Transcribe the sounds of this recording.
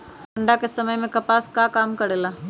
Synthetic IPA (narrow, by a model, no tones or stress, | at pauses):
pɐɳɖakesɐməjmẽkɐpaːskaːkaːmkɐɽeːlaː